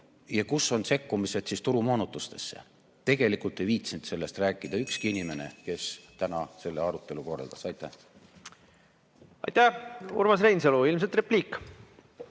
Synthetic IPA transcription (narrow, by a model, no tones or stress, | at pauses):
jɑkusːo̞nse̞kːumise̞d̪̥sist̪uɾumo̞ːnut̪ːˑust̪e̞̥sːe̞̰ | t̪e̞ɡ̥e̞likˑult̪ːˑe̞jviːt̪sint̪se̞lːe̞st̪ræːkːˑid̪̥ɑykskiinime̞ne̞̰ke̞st̪ænɑse̞lːeɑɾut̪ˑːe̞luko̞rːɑ̰ld̪̥ɑsɑjt̪ːˑæh | ɑ̰jt̪æhṵɾmɑsrejns̬eluilmset̪repliːkː